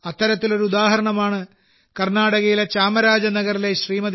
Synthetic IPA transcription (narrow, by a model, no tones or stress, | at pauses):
ɐt̪ːɐɾɐt̪ːilo̞ɾuud̪aːɦɐɾɐɳɐmaːɳɨ | kɐrnaːɽɐɣɐjilet͡ɕaːmɐɾaːd͡ʑɐnɐɣɐrile̞ɕriːmɐd̪